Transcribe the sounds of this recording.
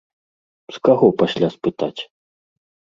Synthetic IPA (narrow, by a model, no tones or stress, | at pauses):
skaɣɔpasʲlʲaspɨt̪at͡sʲ